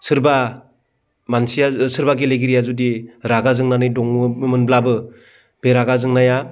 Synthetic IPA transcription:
sɯɾba | mansijasɯɾbaɡeleɡiɾijazudiɾaɡazɯŋnanɯjdɔŋɯmɯnblabɯ | b̥eɾaɡazɯŋnaja

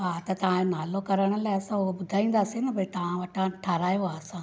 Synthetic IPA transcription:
ɦaːt̪ɐt̪ɐʋ̤ãnaːlokɐɾəɽ̃ʊ̆laːɪɐsãʊɦobʊd̪ʱaːĩːn̆d̪aːsinɐpɐĩt̪ɐʋ̤ãʋɐʈʰãʈʰaːɾaːjoɦaːɐsãː

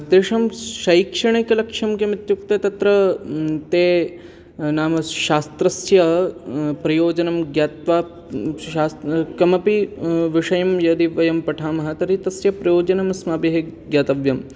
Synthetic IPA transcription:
d̪eːʂɐmʃɐikʂɐɳɐkɐlɐkʂɐmkemit̪juk̚t̪et̪ɐt̪ɾɐt̪eː | naːmɐʃaːst̪ɾɐsjɐ | pɾɐjoːd͡ʒɐnɐmɡjaːt̪ʋaː | aːskɐmɐpiʋɪʂɐjɐmjɐd̪iʋɐjɐmpɐʈʰaːmɐɦɐt̪ɐɾit̪ɐsjɐpɾɐjoːd͡ʒɐnɐmɐsmaːpeɦeɡjaːt̪ɐʋjɐm

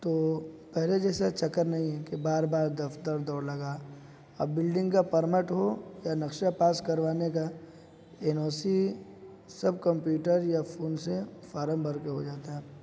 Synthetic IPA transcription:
t̪oːpɛɦled͡ʒɛːsat͡ʃɐkəɾnɐɦĩɦɛkebaːɾbaːɾd̪ɐft̪əɾd̪ɔːɾlɐɡa | ɐ̰bːɪlɖɪ̃ŋɡkapɐɾməʈɦojanɐkʃapaːskɐɾʋaːneka | enɔːsi | sɐb̚kɐ̃mpjuːʈəɾjafʰoːnsefaːɾə̃mbʱɐɾkeɦod͡ʒaːt̪aɦɛː

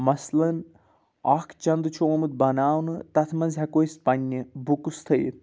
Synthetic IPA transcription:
mɐslɐn | ɐkʰt͡ʃɐnd̪ɨt͡ʃʰoːmɨd̪̚bɐnaːwnɨt̪ɐt̪ʰmɐnzʲɦɐkoispɐnʲːɨbukust̪ʰɐj̪

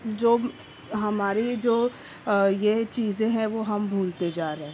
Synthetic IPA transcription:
d͡ʒoː | ɦɐmaːɾid͡ʒoː | jet͡ʃiːzẽɦɛ̃ʋoɦɐmbʱuːlt̪ed͡ʒaːɾeɦɛ̃ː

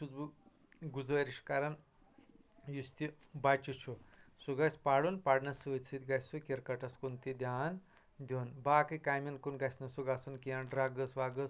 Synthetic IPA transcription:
t͡ʃuzbu | ɡud͡zʋɐɾiʂkaɾɐn | just̪ʲi | bat͡ʃut͡ʃʰusuɡɐspaɽunpaɽnɐsɨʋit͡sʰit̪ʲɡɐsukʲiɾkɐʈɐskunt̪id̪ʲjaːn | d̪ʲonbaːkɨkaːmʲinkunɡɐsnɐsuɡasunkijɐnɖɾaːɡəsʋaːɡəs

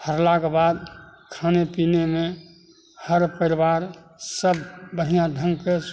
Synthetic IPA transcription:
həɾlakebad̪kʰaːnepinemẽ | həɾpəɪɾbaɾ | səbbəɽ̤ijãdʱə̃ŋɡke

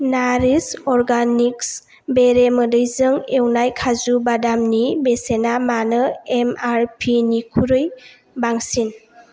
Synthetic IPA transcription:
naɾisɔɾɡaniks | beɾemədɯjzɯŋewnajkʰazubadamnibesenamanɯemaɾpʰinikʰuɾɯj | baŋsin

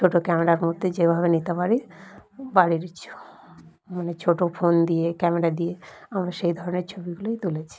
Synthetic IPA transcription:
t͡ʃʰoʈokɛmeɾaɾmod̪ʱːed͡ʑebʱaβenit̪apaɾi | baɽiɾt͡ɕʰu̥ | manet͡ɕʰoʈofʰond̪ijekɛmeɾad̪ijeamɾaʃejd̪ʱɔɾoneɾt͡ɕʰobiɡulojt̪ulet͡ɕʰi̥

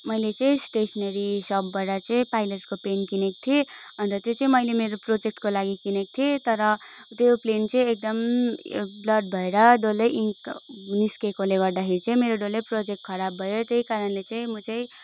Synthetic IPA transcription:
mʌjlet͡sʌĩsʈesʌneɾisʌbːaʈʌt͡sʌĩpajleʈkopenkinek̚t̪ʰieʌnt̪ʌt̪jot͡sʌĩmʌjlemeɾoprod͡zek̚ʈkolaɡikinek̚t̪ʰiet̪ʌɾʌt̪joplent͡sʌĩek̚d̪ʌm | blʌɖ̚bʱʌeɾʌɖolːʌji | niskekoleɡʌrd̪akʰeɾit͡sʌĩmeɾoɖolːejprod͡zek̚ʈ̚kʰʌɾabʱʌjot̪ejkaɾʌnlet͡saĩmʌt͡saĩ

